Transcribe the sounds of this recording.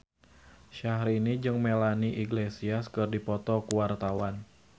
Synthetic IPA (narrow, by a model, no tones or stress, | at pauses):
ʃaɦɾinid͡ʒɨŋmelaniʔiɡlesiaskɨrdipɔt̪ɔkuwart̪awan